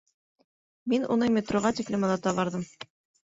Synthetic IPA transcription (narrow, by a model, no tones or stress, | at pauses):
minṵnɤmʲet̪roʁɑt̪ʲiklɘ̆mɤ̆nɑt̪ɑβɑɾðɤm